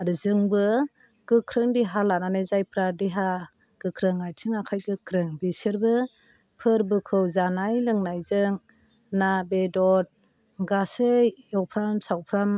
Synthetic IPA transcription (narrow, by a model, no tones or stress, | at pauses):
ɾɯzɯŋbɯ | ɡ̥ɯkʰɾɯŋdiɦalananɯjzajpʰɾadiɦa | ɡ̥ɯkʰɾɯŋajtʰɯŋakʰajɡɯkʰɾɯŋbisɯɾbɯ | pʰɯɾbɯkʰɯwzanajlɯŋnajzɯŋ | nabedɔt̚ | ɡasɯjjɔwpʰɾamsawpʰɾam